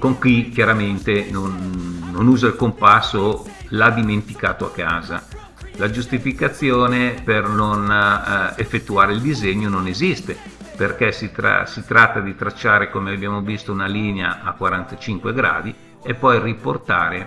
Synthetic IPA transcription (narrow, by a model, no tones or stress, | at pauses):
koŋkwik̟jaɾament̪enonːonuːzailkompasːolad̪iment̪ikaːt̪oakːaːza | lad͡ʒust̪ifikat̪sːjoːnepernon | efːet̪ːuaːɾeild̪izeɲːononezist̪e | perkɛsit̪ɾa̰sit̪ɾat̪ːad̪it̪ɾat͡ʃːaːɾekomeabjaːmovist̪ounaliːneaʔakːwaɾant̪at͡ʃiŋkweɡɾa̰ːd̪i | epːɔjriport̪a̰ːɾe